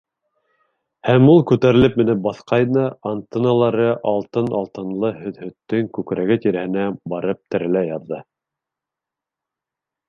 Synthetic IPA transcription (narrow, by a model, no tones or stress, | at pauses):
hæmulˠkʉt̪æɾɘ̆lɘp̚mɘ̆nɘp̚bɑθqɑjnɤant̪ɤ̆nɑlˠɑɾɤʔɑlˠt̪ɤnɑlˠt̪ɤ̆nlˠɤhɵ̆ðhɵ̆t̪ːɵŋkʉkɾæɡɘt̪iɾæhɘ̆næbɑɾɤp̚t̪ɘ̆ɾɘ̆læjɑðːɤ